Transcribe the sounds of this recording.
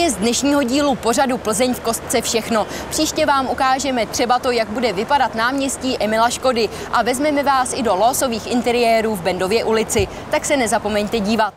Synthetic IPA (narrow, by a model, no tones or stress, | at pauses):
jɛzdnɛʃɲiːɦo̞ɟiːlupo̞r̝adupl̩zɛɲfko̞st̪̚t͡sɛfʃɛxno̞ | pr̥iːʃcɛvaːmʔukaːʒɛmɛt̪r̥ɛbat̪o̞jaɡ̚budɛvɪpadat̪naːmɲɛsciːʔɛmɪlaʃko̞dɪ | ʔavɛzmɛmɛvaːsɪdo̞loso̞viːxʔɪnt̪ɛɾɪjɛːɾuːvbɛndo̞vjɛʔulɪt͡sɪ | t̪aksɛnɛzapo̞mɛɲt̪ɛɟiːvat̪̚